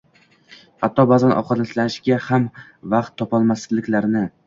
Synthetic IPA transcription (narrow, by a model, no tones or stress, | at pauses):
hat̪ʰːɒbazanʔɒ̰wqʰɒd̪aslanɪʃɡʲaham | vaqt̪ʰːɒpɒlˠmaszlɪkʲlaɾnɪ